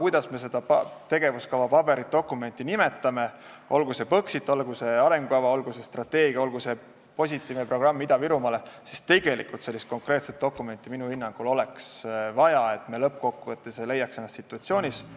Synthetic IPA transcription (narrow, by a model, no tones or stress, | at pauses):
kujd̪ɑsme̞s̬e̞d̪̥ɑpɑt̪e̞ɡ̥e̞vuskɑvɑpɑbe̞ɾit̪̚d̪̥o̞kːˑume̞nt̪ːˑinimet̪ːˑɑme̞ | ʔo̞lɡuse̞pɤksit̪ːˑolɡuse̞ɑɾe̞ŋɡukɑvɑo̞lɡuse̞st̪rɑt̪ːˑe̞ːɡiɑo̞lɡ̥use̞ | po̞sʲit̪ˑːiːvnepro̞ɡ̥rɑmːid̪ɑviɾumɑlesist̪e̞ɡ̥e̞lḭkˑult̪se̞lːist̪̚ko̞ŋkre̞ːt̪set̪̚ːo̞kːˑume̞nt̪ːˑiminuhinːɑŋɡ̥ulo̞le̞ksvɑjɑe̞t̪melɤp̚ːko̞kːuvɤt̪ːˑesele̞jːɑksenːɑst̪sit̪ˑːuɑt̪sio̞ːnʲis